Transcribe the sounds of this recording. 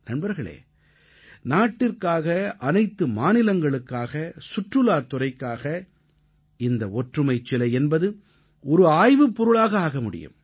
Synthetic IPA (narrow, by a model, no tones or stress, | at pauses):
nɐnbɐɾɣɐɭḛː | naːʈːɪrkaːɣɐʔɐnɐɪt̪ːɯmaːnɪlɐŋɡɐɭɯkːaːɣɐsʊʈrɯlaːt̪ːʊrɐɪkːaːɣɐ | ɪnd̪ɐɔʈrɯmɐɪt͡ʃːɪlɐɛnbɐðɯ | ɔɾɯaːjʋɯpːɔɾɯɭaːɣɐaːɣɐmʊɽɪ̰jɯ̰m